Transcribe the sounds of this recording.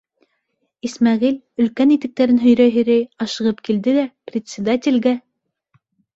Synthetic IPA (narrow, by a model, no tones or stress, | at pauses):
ismɑʁil | ɵ̆lkænit̪ɘ̆k̚t̪æɾɘnɦɵ̆jɾæɦɵ̆ɾæjɑʃɤ̆ʁɤp̚kild̪ɘd̪æprʲɪt̪ʲsʲɪd̪at̪ʲɪ̆lɡæ